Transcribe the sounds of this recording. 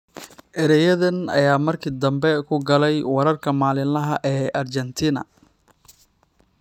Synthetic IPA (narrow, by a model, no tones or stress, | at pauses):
ʔɛɾɛjɐðɐnɐ̰jaːmɐrkʰɪd̪ɐmbɛkʰʊɡɐlɛjwɐɾɐrkʰɐmaːlɪnlɐɦɐʔɛːʔɐrt͡ʃɛnt̪ʰiːnɐ̰